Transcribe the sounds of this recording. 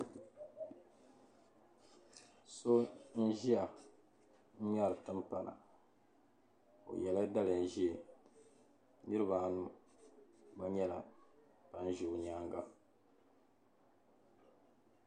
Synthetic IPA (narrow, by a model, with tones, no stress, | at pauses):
so˦n̩˦ʒi˦a˨ | n̩˦m˦a˦˨ɾɨ˨tɨ˦mpa˦na̰˨ | o̰˨jɛ˨la˦da˦lɨ˨n̩˨˦ʒi˦e˨ | nɨ˦ɾɨ˦ba˨nu˦ | ba˦ɲɛ˦la˨ | pa˨n̩˦ʒu˨ɲ˨aː˦ŋɡa˦